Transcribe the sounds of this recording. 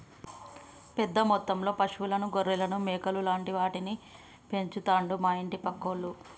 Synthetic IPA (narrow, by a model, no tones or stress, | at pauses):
pɛd̪ːɐmɔt̪ːɐmlo̞ːpɐʂʋulɐnuɡoɾːɛlɐnumɛːkɐlulaːɳʈiʋaːʈini | pe̞ɲt͡ʃut̪aːɳɖumaːjiɳʈipɐkːolːu